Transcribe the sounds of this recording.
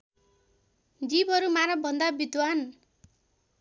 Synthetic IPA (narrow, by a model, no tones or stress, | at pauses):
d͡zibɦʌɾumaɾʌbʱʌnd̪abid̪wan